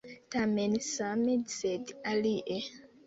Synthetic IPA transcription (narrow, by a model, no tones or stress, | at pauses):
tamẽnsamedsedaliʔe